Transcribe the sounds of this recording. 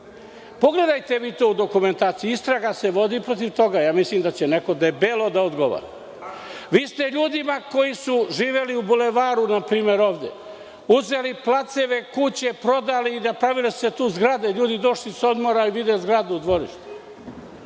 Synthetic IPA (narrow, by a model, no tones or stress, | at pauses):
po̞ɡle̞d̪ajt̪e̞ʋiːt̪oud̪o̞kume̞nt̪aːt̪sijiist̪ɾaɡase̞ʋo̞d̪ipɾot̪iʋt̪o̞ɡajaːmislimd̪at͡ɕeneko̞d̪ebelˠod̪aod̪ɡo̞ʋa̰ɾa | ʋiːst̪e̞ʎuːd̪imako̞jisuʒiːʋe̞liubuleʋaːɾunapɾiːme̞ɾo̞ːʋd̪ḛ | uzeliplat̪seʋe̞kut͡ɕe̞pɾo̞d̪aliːnapɾaʋilesset̪uːzɡɾad̪eʎuːd̪id̪o̞ʃliso̞d̪mo̞ɾaiʋid̪ezɡɾad̪ud̪ʋo̞ɾḭʃt̪u̥